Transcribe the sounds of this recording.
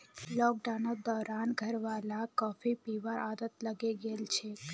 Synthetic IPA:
lɔk̚ɖanod̪ɔɾanɡʱəɾʋalãkɔfipiʋaʔad̪ət̪ləɡeɡelt͡ʃʰe

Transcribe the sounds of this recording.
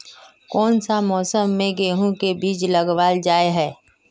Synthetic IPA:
kɔːnsamɔːsəmːẽɡeːɦũkebiːt͡ʃləɡʋaːld͡ʒaːeɦɛː

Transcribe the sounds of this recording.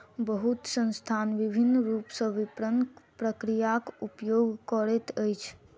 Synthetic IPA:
bəɦut̪sə̃nst̪ʰanʋibʱinːɾupsə̃ʋipɾənpɾəkɾijakupjoɡkəɾɛt̪əjt͡ʃʰ

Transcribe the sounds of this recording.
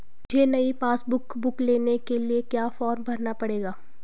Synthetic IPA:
d͡ʒʱeːnɐipaːsbʊkbʊkleːnekeliekjaːfɔːɾmbʱɐɾnapɐɽeːɡaː

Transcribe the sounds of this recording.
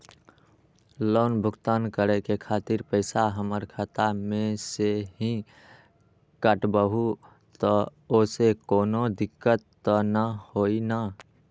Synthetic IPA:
loːnbʱʊɡt̪aːnkəɾekekʰaːt̪ɪɾpəɪsaɦəməɾkʰət̪amẽseɦĩ | kəʈbəɦu | t̪ɔosekoːnod̪ɪkːət̪ːɔnəhoina

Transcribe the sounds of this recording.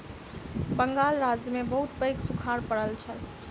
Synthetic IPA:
bəŋɡalɾad͡ʒjəmebəɦut̪pəjksukʰaɾpəɽəlt͡ʃʰə

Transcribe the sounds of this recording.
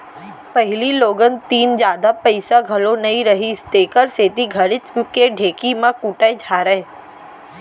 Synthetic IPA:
pɐɦɪliloːɡənt̪iːnd͡ʒjaːd̪apɐɪsaɡʱɐlonɐɦĩɾɐɦist̪eːkəɾseːt̪iɡʱɐɾɪt͡ʃkeɖʱeːkimãkuːʈaed͡ʒʱaːɾəe

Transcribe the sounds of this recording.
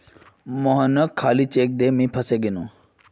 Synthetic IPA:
moɦənəkʰːaːlit͡ʃeːk̚d̪emĩpʰɐseɡinu

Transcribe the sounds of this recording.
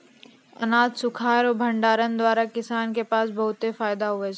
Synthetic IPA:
ɐ̰naːd̪sʊkʰaːɾɔːbʱə̃ɳɖaːɾənd̪waːɾakɪsaːnkepaːsbɐɦʊt̪ːefaːɪd̪aɦʊe

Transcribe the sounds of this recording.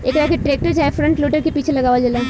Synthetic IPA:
eːkɾakeʈɾeːk̚ʈəɾd͡ʒaːefɾɐ̃ɳʈloːʈəɾkepiːt͡ʃʰelɐɡaːʋad͡ʒela

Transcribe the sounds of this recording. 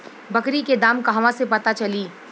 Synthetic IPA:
bɐkɾiked̪aːmkaɦʋãsepɐt̪at͡ʃɐliː

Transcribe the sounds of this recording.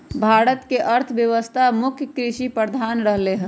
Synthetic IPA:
bʱaːɽət̪keʔəɾt̪ʰəʋjəʋəst̪ʰamʊkʰjəkɾiʃipɾəɾd̪ʱaːnɾəɦleɦɛ̃

